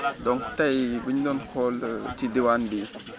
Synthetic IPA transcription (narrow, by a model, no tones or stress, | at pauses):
dɔŋtajbiɲdɔnkʰɔltidiwandi